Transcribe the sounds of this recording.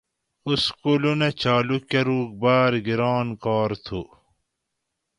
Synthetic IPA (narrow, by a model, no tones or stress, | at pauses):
uskulunet͡ɕaːlukjɐɾuːk̚baːɾɡiɾaːnkaːɾt̪ʰu